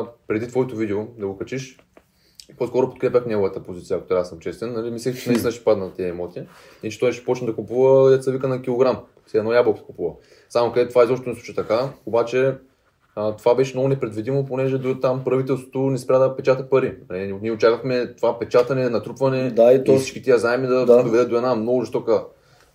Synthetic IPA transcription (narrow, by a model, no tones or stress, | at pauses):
pɾɛd̪it̪vɔɛt̪ovid̪ɛod̪ɐɡokɐt͡ʃiʃ | poskɔɾʊpot̪̚kɾɛpʲəxnɛɡovət̪əpozit̪sijɐkot̪ɾasəmt͡ʃɛst̪ɛnːɐlimislʲikt͡ʃɛnɛit̪inəʃi̥pad̪nɐt̪ɛəɛmɔt̪i | it͡ʃɛt̪ɔjʃɛ̥pɔt͡ʃnd̪ɐkupuvəjɐt̪sɐvikənɐkʲilˠoɡɾam | sɛɛnɔjablˠoksɛ̥kupuvə | samokɐd̪ɛt̪ovaɛizɔʃt̪onɛsˠuʃɛt̪ɐkaobat͡ʃɛ | t̪ovabɛʃɛmnoɡʊnɛpɾɛd̪vid̪imoponɛʒɛd̪t̪ampɾɐvit̪̬ɛlˠst̪vo̥t̪onɛspɾʲad̪ɐpɛt͡ʃat̪əpɐɾinɐliniɛot͡ʃakəxmɛt̪ovapɛt͡ʃat̪ɐnɛnɐt̪ɾupvɐnɛat̪ɔsit͡ʃkʲit̪iəzaɛmid̪ɐdd̪ovɛd̪ɛd̪oɛd̪amnɔɡʊzist̪ɔkə